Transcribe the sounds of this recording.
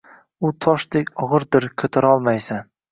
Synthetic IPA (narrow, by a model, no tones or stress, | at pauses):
ʊt̪ʰɒʃd̪ekʲɒʁɨɾd̪ɪɾkʲʰɵt̪ʰaɾɒlˠmajsan